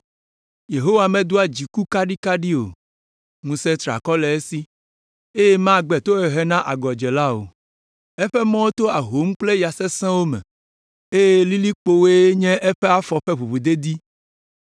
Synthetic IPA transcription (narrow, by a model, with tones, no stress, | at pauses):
je˨ɦo˦wa˨mɛ̃˨d̪o˦a˨d͡ʑi˨ku˦ka˦ɖi˦ka˦ɖi˦o̰˨ | ŋũ˨sɛ˦t̪ɾa̰˨kɔ˦lɛ˨e˦si˦ | e˦je˦mã˦˨ɡ͡bɛ˨t̪o˦ɛ˨ɦɛ˦nã˦ʔa˨ɡɔ˨d͡ʒɛ˨la˦o̰˨ | e˦ɸɛ˦mɔ̃˦wo˦t̪o˦a˨ɦo˨˦m˦k͡ple˦ja˨sɛ˦sɛ̃˦wo˦mɛ̰̃˨ | e˦je˦li˦li˦k͡po˦we˦ɲɛ̃˦ʔe˦ɸɛ˦a˦fɔ˨ɸe˦ɸu˨βu˨d̪e˦d̪i˦